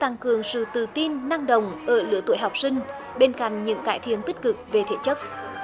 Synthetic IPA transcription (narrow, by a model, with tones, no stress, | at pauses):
t̪a˧ŋkɨ˨˩əŋsɨ̰˧˨t̪ɨ˧˩t̪i˧nːa˧ŋɗə˨wŋ͡mʔəː˧˩lɨ̰˧˥ət̪o˧˩˨jɦa˨˩wk͡p̚sï˧ŋ̟ | ɓe˧nka̰˧˨jŋ̟ɲɨ̰˧˥ŋkaː˧˩jt̪ʰḭ˧˨ənt̪i˦˥k̟̚kɨ˨˩k̚ve˨˩t̪ʰḛ˧˩˦t͡ɕə˦˥t̚